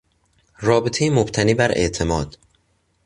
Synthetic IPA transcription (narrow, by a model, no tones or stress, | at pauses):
rɒːbet̪ʰejemobt̪ʰæniːbæɾʔe̞̰ʔt̪ʰe̞mɒːd̪̥